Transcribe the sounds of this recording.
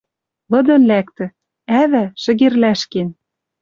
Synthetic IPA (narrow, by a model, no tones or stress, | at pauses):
lɤ̆d̪ɤ̆nlækt̪ɘ̆ | æβæʃɘ̆ɣerlæʃken